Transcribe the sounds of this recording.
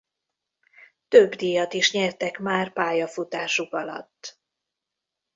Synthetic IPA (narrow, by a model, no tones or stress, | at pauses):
t̪øbd̪ijɒt̪iʃɲɛrt̪ɛkmaːrpaːjɒfut̪aːʃukɒlɒ̰t̪ː